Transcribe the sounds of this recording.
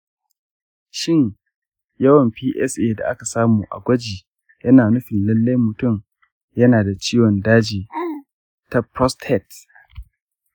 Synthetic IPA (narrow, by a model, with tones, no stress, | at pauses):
ʃɪ˦ɲ | jɐ˦wɐ˨mpiː˦ʔɛ˦sʔeː˦da̰˨ʔa˦ka˨saː˦muː˨ʔa̰˨ɡʷɐ˦d͡ʒiː˨ | jɐ˦naː˨nʊ˦ɸɪ˨nlɐ˦lːa˦jmʊ˨tʊ˦˨m | jɐ˦naː˨da˨t͡ʃiː˦wɔ˨ndaː˦d͡ʒiː˨ | ta˦pɾɔ˦sthɛ˦˨t